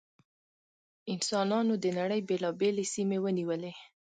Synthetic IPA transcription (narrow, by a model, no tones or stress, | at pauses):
ɪnsɑnɑnod̪ənaɽəjbelɑbelesimewəniwəle